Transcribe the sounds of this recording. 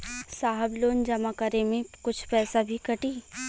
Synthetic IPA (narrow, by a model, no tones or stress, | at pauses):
saːɦəbloːnd͡ʒɐmakəɾemẽkʊt͡ʃʰpɛːsabʱikɐʈiː